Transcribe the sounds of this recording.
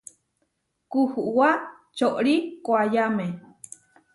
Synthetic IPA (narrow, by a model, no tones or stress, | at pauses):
kuhuʔwa | t͡ʃoʔɾikʷajame